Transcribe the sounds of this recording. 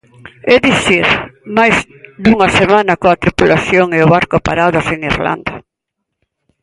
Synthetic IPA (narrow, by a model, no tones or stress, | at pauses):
ɛðiθiɾmajz | d̪uŋɐsemãnɐkoat̪ɾipulaθjoŋeʊβaɾkopa̰ɾaðaseŋiɾla̰nd̪a